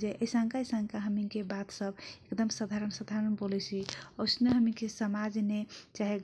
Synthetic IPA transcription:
d͡ʒeʔəjsãŋkaisãŋkaɦəmikebat̪səbekd̪əmsad̪ʱaɾənsad̪ʱaɾənbolɛt͡ʃʰiosneɦəmikesəmad͡ʒnet͡ʃaɦɛɡ

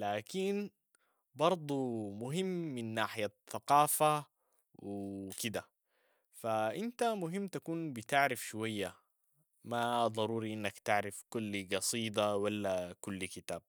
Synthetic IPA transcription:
laːkin | bɑɾˤd̪ˤumʊɦimːinːaːħɪjaθaqɑːfa | wikid̪a | faʔint̪amʊɦimːt̪akuːnbit̪aʕɾɪfʃwajːa | mad̪ˤɑɾuːɾiʔinːakt̪aʕɾɪfkulːiɡɑsˤiːd̪ɑwalːakulːikit̪aːb̚

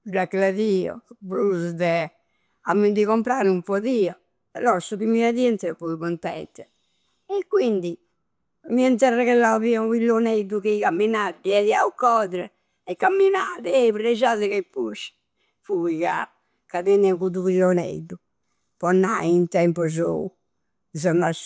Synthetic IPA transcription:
daklaðiːɔ̰pɾusd̪ɛ | amːɛd̪iɣɔmpɾaɾumpɔðiːɔ | ɛlɔɾsuβimiɾaðiɛnt̪ɛɛpuðukɔnt̪ɛ̰nt̪ɛ | ɛkːwind̪i | miɛnt̪̬ɛrːɛkɛlaviauvilːoned̪ukikamːinad̪ɛðiaukɔðɾɛ | ɛkːamːinaːðɛɛβɾɛzaðɛkɛpuʃ | puɣa̰ | kaðɛnɛkuðuvilːonḛd̪u | pɔnːaiint̪ɛmpɔzo̰u | zɔnas

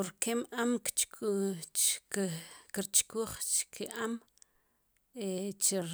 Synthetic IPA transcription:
oɾkemʔamkt͡ʃ | kiɾt͡ʃkuːχt͡ʃkʰiʔam | et͡ʃe

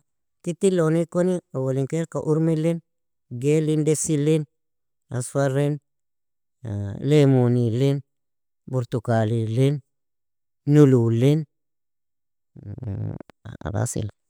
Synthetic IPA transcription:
kit̪ːilonikoniowoliŋkeɾkaʔuɾmilen | ɡelindesilen | a̰sfaɾen | lemunilen | boɾt̪ukalilen | ululen | a̰ba̰sḭla

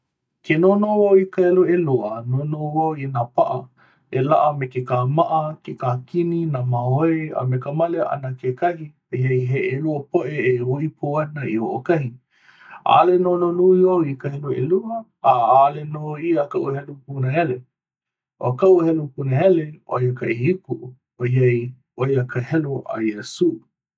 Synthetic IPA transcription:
kenonowawikaheloeloənonowawinapaʔɐ | elaʔɐmekekaːmaʔɐkekaːkininaːmaɦoea̰mekamaleʔa̰nakekɐhipehejɦeʔeluəpoʔeːoʔipʰoɐnɐioʔokɐhi | a̰ːlenononuiowikəɦeloḛluɐ | aalenoiəkaʔuhelopunəhele | ʔo̰kaʔuhɛlopunəɦɛleo̰jəkaʔihikuʔ | ojɐj | ojakəhɛloʔa̰jesuː

